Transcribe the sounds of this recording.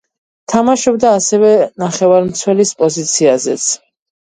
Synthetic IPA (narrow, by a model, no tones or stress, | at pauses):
t̪ʰamaʃɔbd̪aːsɛvɛnaχɛvaɾmt̪sʰwɛlispʼɔzit̪sʰiazɛt̪sʰ